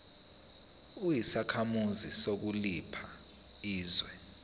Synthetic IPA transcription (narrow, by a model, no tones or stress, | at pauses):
ujisakʰamuzisok̬ulipʰa | iːzwɛ